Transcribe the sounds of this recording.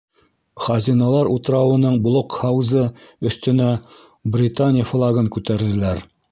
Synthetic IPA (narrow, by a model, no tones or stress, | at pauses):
χɑzʲinɑlˠɑɾut̪ɾɑwɤ̆nɤɴbŏlˠoqhɑwzɤɵ̆θt̪ɵ̆næ | brʲɪt̪anʲɪjəflˠɑɡɤŋkʉt̪æɾðɘ̆læɾ